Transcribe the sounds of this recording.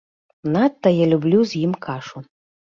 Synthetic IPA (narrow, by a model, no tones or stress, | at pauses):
nat̪ːɐjalʲublʲuzʲjimkʰaʂu